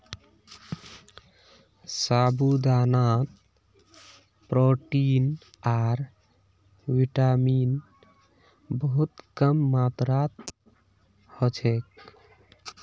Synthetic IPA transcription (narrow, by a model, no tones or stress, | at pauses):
sabʱud̪anat̪ | pɾoʈin | aɾ | wiʈamin | bəɦut̪kəmːat̪ɾat̪ | hɔt͡ʃʰek